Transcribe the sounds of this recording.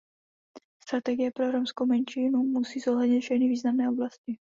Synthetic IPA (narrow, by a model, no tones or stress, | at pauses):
st̪ɾat̪ɛɡɪjɛpɾoɾomskowmɛnʃiːnumusiːz̥oɦlɛdɲɪt̪fʃɛxnɪviːznamnɛːoblascɪ